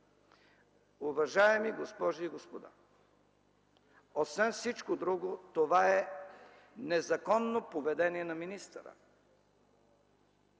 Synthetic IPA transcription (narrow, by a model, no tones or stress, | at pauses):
ʊvɐʒaɛmiɡospɔʒiːɡospod̪a̰ | osvɛnfsit͡ʃkod̪ɾuɡot̪ovaɛ | nɛzɐkɔnːopovɛd̪ɛniɛnɐminist̪əɾə̰